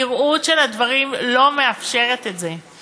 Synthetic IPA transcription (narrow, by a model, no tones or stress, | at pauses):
iʁutʃe̞ladvaʁimlo̞me̞afʃe̞ʁetetze